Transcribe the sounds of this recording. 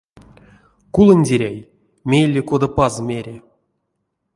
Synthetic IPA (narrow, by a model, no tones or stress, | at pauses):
kulˠɤ̆nʲdʲeɾʲæj | mʲejlʲːekod̪apɑzmʲeɾʲe